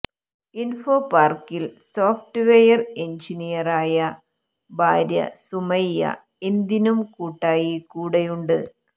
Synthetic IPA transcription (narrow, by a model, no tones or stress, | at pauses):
info̞paːrkilso̞ːfʈɨʋejɐre̞ɲd͡ʑinijɐraːjɐ | bʱaːɾjɐ̰sumɐjːɐ̰ | end̪inumkuːʈːaːjikuːɽɐjuɳɖɨ